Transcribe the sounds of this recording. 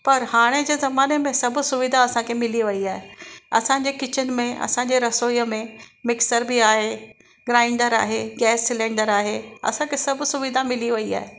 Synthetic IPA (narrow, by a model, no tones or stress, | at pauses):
pɐɾhaːɽ̃ed͡ʑeːzɐmaːnemẽsɐbʱʊ̆sʊʋɪd̪ʱaɐsãkʰemɪliʋɐiaːɦeɐsãɲd͡ʑekɪt͡ɕənɪ̆mẽɐ̰sãɲd͡ʑeːɾɐsoːjəmẽmɪksəɾbiaːɦe | ɡɾaːɪ̃ɳɖəɾa̰ːɦeɡɛːsːɪlɛ̃ːɳɖəɾaːɦeɐ̰sãkʰesɐbʱʊsʊʋɪd̪ʱamɪliʋɐia̰ːɦe